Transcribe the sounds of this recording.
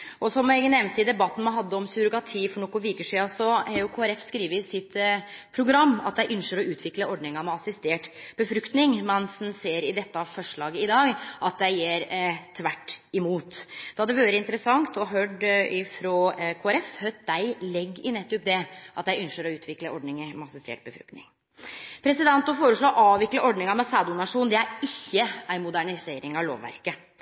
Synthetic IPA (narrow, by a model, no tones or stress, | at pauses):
ʔɔsɔmæɡnɛmnt̪ɪd̪ɛbɑt̪ːn̩mɑnɦɑd̪ːəɔmsʉɾʊkɑt̪ʰiːfɔɳoːkʊʋɪɾkəʂiːɑsɔhɑɾjʊkʰoːæɾɛfskɾiːʋəsɪt̪pʰɾʊɡɾɑmːɑt̪d̪æɪʔʉnʃəɾɔʉːt̪ʰʋɪkləɔɖɳɪŋɑmɛɑsɪst̪eːʈb̥əfɾʉkt̪nɪŋmɛnsnseːɾɪd̪ɛt̪ːəɑʋfɔʂɭɑːɡəɪd̪ɑːɡʔɑt̪̚d̪æɪjeːɾt̪ʰʋæʈːɪmuːt̪d̪̥ɑd̪ɛʋøːɾəɪnt̪ɾəsɑŋt̪ɔɦøːɖɪfɾɔkʰoːæɾɛfhœd̪æɪlɛɡːɪnɛt̪ːʊp̚d̪ɛʔɑt̪̚d̪æɪʉnʃəɾɔʉːt̪ʰʋɪkləʔɔɖɳɪŋəɾmɛɑsɪst̪ḛːʈ̚bəfɾʉ̰kt̪nɪ̰ŋ | pʰɾɛsɪd̪ɛnt̪ʊfoːɾəʂɭoːɔʔɑːʋʋɪkləʔɔɖnɪŋɑmɛsɑːd̪ʊnɑʂuːnd̪ɛæɾɪçːəæɪmʊd̪æɳɪseːɾɪŋɑʋlo̰ːʋːæ̰ɾkə